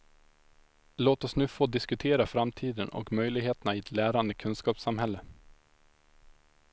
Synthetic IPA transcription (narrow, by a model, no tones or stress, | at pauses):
loːt̪ɔsnʉ̟ːfoːd̪ɪskɵt̪ʰeːɾafɾamt̪ʰiːd̪ənɔ̰kmœjlɪɡheːt̪ənaɪɛt̪læːɾand̪əkʰɵnskɑːpsamhɛlːə